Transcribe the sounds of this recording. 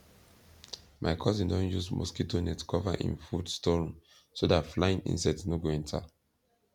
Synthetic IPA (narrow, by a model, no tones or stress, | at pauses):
mʔaɪkʰɔzĩndɔ̃njusmɔ̰sketonɛtkʰɔva̰ʔḭ̃nfudstɔɹɔ̃m | sodatflaĩnḭ̃nsaɪtsnoɡoɛ̃ntʰa̰